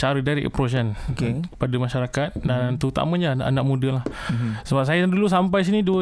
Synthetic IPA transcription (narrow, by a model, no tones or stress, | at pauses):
t͡ʃaɾədaɾiʔḛpɾos̬ənkepadamaʃaɾakat̪̚dant̪əut̪a̰maɲaʔa̰nak̚mũdalahsəbap̚sajaadulus̬amp̬ajs̬iniduə